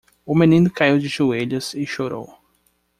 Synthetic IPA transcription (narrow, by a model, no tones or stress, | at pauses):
ʊmẽnĩnʊkaiwd͡ʒɪʒueʎɐzɪʃoɾo̰w